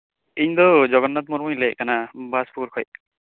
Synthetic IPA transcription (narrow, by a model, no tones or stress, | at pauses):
iɲd̪ɔd͡ʒɔɡɔnːat̪̚mɔɾmujlɛjkanabaspʰuɾkʰɔj